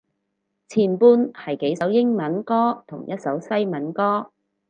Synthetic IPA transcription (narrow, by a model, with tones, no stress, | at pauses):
t͡sʰiː˨˩npuː˧nhɐ˨jke˨˥jsɐ˨˥wjɪ˥ŋmɐ˨˥nkɔː˥t̪ʰʊ˨˩ŋjɐ˥t̚sɐ˨˥wsɐ˥jmɐ˨˥nkɔː˥